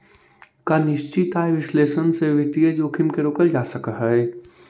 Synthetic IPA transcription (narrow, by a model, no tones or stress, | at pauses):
kanɪʃt͡ʃit̪aːeʋɪsleːʃənseʋɪt̪ied͡ʒoːkʰɪmkeɾoːkəld͡ʒaːsəkəɦɛe